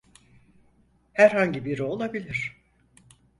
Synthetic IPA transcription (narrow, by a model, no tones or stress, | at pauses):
hæɾɦaɲɟibiɾo̞lˠabilʲiɾ̥